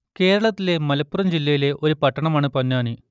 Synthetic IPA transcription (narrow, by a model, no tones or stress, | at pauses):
ke̞ːɾɐɭɐt̪ːile̞mɐlɐpːurɐmd͡ʑilːɐjile̞ʔo̞ɾupɐʈːɐɳɐmaːɳɨpɐnːaːɳi